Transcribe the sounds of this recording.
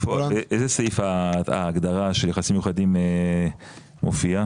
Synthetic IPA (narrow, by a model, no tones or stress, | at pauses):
foeʔejzesejfaa̰ːɡd̪aʁaʃeljaχasimjuχad̪ime | mʔofia